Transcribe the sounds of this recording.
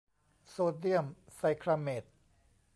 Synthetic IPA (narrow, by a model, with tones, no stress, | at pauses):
soː˧t̪i˥˩əmsa˧jkʰɾa˧me˨˩t̪̚